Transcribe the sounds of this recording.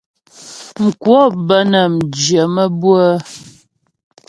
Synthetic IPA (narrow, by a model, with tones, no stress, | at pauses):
ŋ̩˨kwɔ˦bə˦nə˨m̩˨d͡ʒjə˨mə˦bwə˦